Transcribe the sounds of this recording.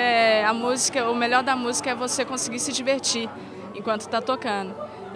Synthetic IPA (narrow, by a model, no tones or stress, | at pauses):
ɛɐmuzikɐʊmeʎɔɾd̪ɐmuzikɐɛvosekõsɪɡiɾsɪd͡ʒiveɾt͡ʃi | ẽkwɐ̃nt̪ʊ̥t̪at̪okɐ̃d̪ʊ